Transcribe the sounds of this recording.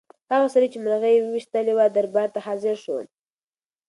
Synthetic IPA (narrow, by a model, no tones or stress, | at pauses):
haɣasaɾit͡ʃemɾaɣəjewəwiʃt̪əlewad̪aɾbɑɾt̪aɦɑzɪɾʃo